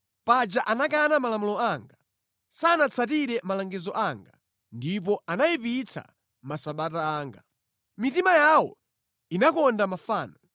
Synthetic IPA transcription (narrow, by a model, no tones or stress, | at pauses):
pad͡ʒaʔanakanamalamulɔaːŋɡa | saːnat͡sʰat̬iɾɛmalaŋɡɛzɔʔaŋɡa | ndip̬ɔanajipit͡sʰa̰ | masaɓataaːŋɡa | mitimajawɔ̰ | inakɔndamafaːnɔ